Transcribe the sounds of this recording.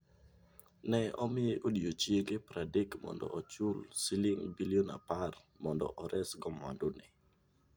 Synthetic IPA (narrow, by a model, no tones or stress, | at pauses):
nɛʔɔmɪeʔodijot͡ʃjeŋɡepɾʔadekmɔ̰ndɔ̰ɔt͡ʃulsiliŋbiliona̰par | mɔndɔ̰ʔɔɾɛsɡɔmɔ̰ndʊnɪ